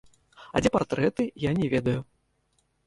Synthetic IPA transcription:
a̰d͡zʲɛpart̪ɾɛt̪ɨjanʲɛvʲɛd̪ɐju

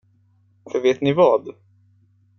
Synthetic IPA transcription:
fœɾveːt̪nɪvɑːd̪

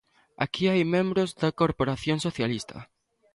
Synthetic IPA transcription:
a̰kiajmẽmbɾozðɐkoɾpoɾaθjoŋsoθjalist̪ʰɐ̰

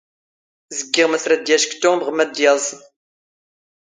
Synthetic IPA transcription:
zəɡːɪʁmæθɾæd̪jæʃkt̪ːʊbʁəmæd̪jɑzˤən

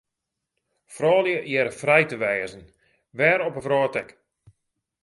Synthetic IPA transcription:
frɔːljəjɛɾəfrɛjtəʋɛːzən | ʋɛːɾɔpəfrɔːtɛk

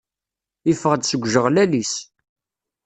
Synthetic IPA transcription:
ifəʁəd̪səɡʷːʒəʁlælis

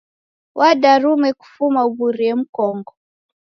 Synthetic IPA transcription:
wʔaɗaɾumɛku̥fumauβuɾiɛm̩kɔŋɡɔ

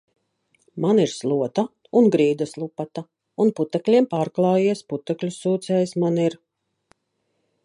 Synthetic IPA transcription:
maniɾslˠuɔt̪a | unɡɾiːd̪aslˠupat̪a | unput̪ɛklʲiɛmpaːɾklˠɑːjiɛsput̪ɛklʲusːuːt̪sɛːjsmaniɾ

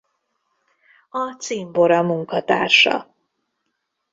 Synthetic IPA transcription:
ɒt̪siːmboɾɒmuŋkɒt̪a̰ːrʃɒ̰

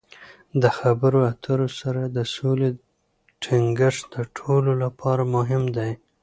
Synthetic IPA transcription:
d̪əxabəɾoat̪ʰəɾosaɾad̪əsole | ʈʰɪŋɡəʂd̪əʈʰololapʰɑɾamʊɦɪmd̪aj

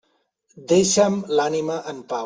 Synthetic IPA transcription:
d̪eʃamlaːnimaʔɐnpaː

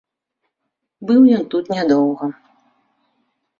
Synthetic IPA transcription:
bɨwjɔnt̪ut̪nʲad̪ɔwɣɐ

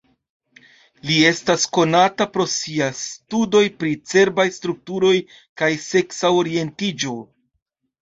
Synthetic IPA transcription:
lie̞stasko̞natapɾo̞siastudo̞jpɾit͡se̞ɾbajstɾuk̚tuɾo̞j | kajse̞ksaoɾie̞ntid͡ʒo̞

